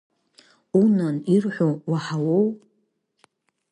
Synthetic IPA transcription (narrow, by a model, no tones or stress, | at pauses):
unanirħʷowaħawow